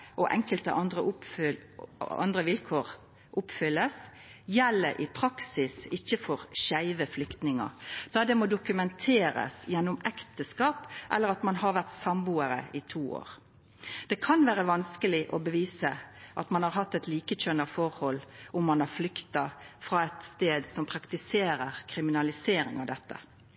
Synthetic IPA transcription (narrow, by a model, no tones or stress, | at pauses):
ʔɔʔɛ̰ŋkəlt̪əʔɑnd̪ʁəʊ | ɑ̰nd̪ʁəʋɪlkʰoːʁ | ʔʊpfʏlːəs | jɛlːəɾʔɪ̰pʰɾɑksɪsɪçːəfɔɾɕæɪʋəflʏkt̪nɪŋɑ̰d̪̥ɑːd̪ɛmod̪ʊkʉmɛnt̪ʰeːɾə̰sjɛnːɔmɛkt̪əskɑːpʔɛ̰lːəɾɑt̪mɑnɦɑɾʋæʁt̪sɑmbuːəɾə̰ɪt̪ʰuːo̰ːɾ | d̪̥ɛkʰɑnʋæːɾəʋɑnskəlɪʔɔbəʋiːsəʔɑt̪mɑnhɑɾɦɑt̪ːɛt̪liːkəc͡çœnɑfɔɾhɔlːʔʊmːɑnɑʁflʏkt̪ɑfɾɑːɛt̪st̪eːd̪sɔmpʰɾɑkt̪ɪseːɾəɾkʰɾɪmɪnɑlɪseːɾɪ̰ŋɑ̰ʋd̪ɛt̪ːə̰